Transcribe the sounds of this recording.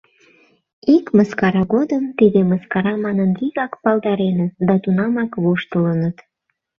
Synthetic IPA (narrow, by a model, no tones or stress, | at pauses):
ikməskɑɾɑɣod̪əmt̪id̪eməskɑɾɑmɑnənliɣɑkpɑld̪ɑɾenət̪̚d̪ɑt̪unɑmɑkβoʃt̪ələnət̪